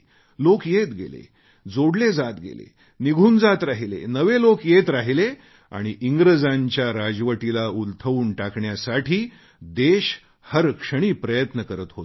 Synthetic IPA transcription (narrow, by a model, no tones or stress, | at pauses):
lokjet̪ɡḛlḛ | d͡zoɽled͡zat̪ɡḛlḛ | niɡʱuːnd͡zat̪ɾaɦilḛnəʋelokjet̪ɾaɦile | a̰ɽ̃iʔiŋɡɾəd͡zaɲt͡ɕjaɾad͡zʋəʈilault̪ʰəʋuːnʈakɳjasaʈʰiː | d̪eɕ | həɾkʂəɽ̃iːpɾəjət̪nəkəɾət̪ɦot̪